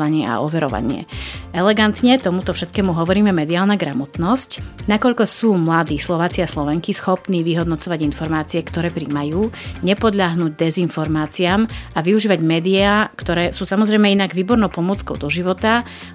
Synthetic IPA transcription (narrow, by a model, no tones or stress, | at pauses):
ʋaɲɪɛa̰ɔʋɛɾɔ̰ʋa̰ɲɪɛ̰ɛlɛɡant̪ɲɛt̪ɔmut̪ɔfʃɛt̪kɛːmuɦɔʋɔɾiːmɛmɛd̪iaːlˠnaɡɾamɔt̪nɔscnakɔʎkɔsuːmlad̪iːslɔʋaːt͡siaslɔʋɛŋkisxɔpniːʋiɦɔd̪nɔt͡sɔʋaɟinfɔɾmaːt͡siɛkt̪ɔɾɛːpɾiːmajuːɲɛpɔd̪ʎaɦnuːɟd̪ɛzinfɔɾmaːt͡siaːmaʋiuʒiːʋaɟmɛːd̪iaːkt̪ɔɾɛːsuːsamɔzɾɛjmɛinaɡʋiːbɔɾnɔʊpɔmʊɔt͡skɔʊd̪ɔʒiʋɔt̪a